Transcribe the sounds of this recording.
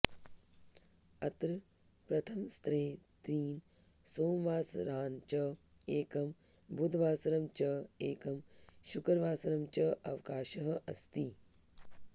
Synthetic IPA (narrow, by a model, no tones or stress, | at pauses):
ɐt̪ɾɐ | pɾɐt̪ʰɐmst̪ɾeːt̪iːn | soːmʋaːsɾaːnt͡ʃɐ | eːkɐm | bud̪ʱʋaːsɐɾɐmt͡ʃɐeːkɐmʃukɐɾʋaːsɐɾɐmt͡ʃɐɐʋkaːʃɐɦɐ̆ɐst̪i